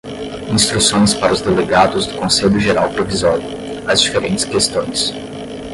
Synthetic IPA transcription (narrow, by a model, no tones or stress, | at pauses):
ĩst̪ɾusõj̃spaɾɐʊzd̪eleɡad̪ʊzd̪ʊkõseʎʊʒeɾawpɾovizɔɾjʊ | azd͡ʒifeɾẽnt͡ʃɪ̥skest̪õj̃s